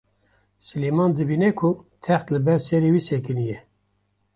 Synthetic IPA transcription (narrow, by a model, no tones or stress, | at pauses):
sɨlemɑːnd̪ɨbiːnɛkʰʊt̪ʰɛxt̪lɨbɛɾsɛɾewiːsɛkɨnijɛ